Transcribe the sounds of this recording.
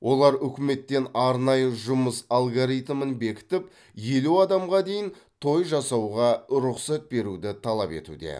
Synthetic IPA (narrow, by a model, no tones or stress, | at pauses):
wʔo̞lˠɑɾʏkʲɪme̞t̪ːe̞nɑɾnɑjəʒʊməsalˠɡoɾijt̪mənbe̞kʲɪ̥t̪ɪp̚ | je̞luɑd̪ɑmʁɑd̪e̞jɪnt̪ʰo̞jʒɑsɑwʁɑɾʊqsɑt̪̚be̞ɾud̪ɪt̪ʰɑlˠɑpe̞̰t̪ṵd̪e̞̰